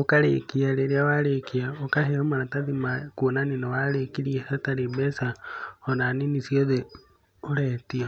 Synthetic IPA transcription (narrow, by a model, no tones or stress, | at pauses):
okaɾḛkiaɾeɾiawaɾekiaokaɦeomaɾataðimakunaninowaɾekiɾiesataɾebesaonaninisioðe | oɾeːtia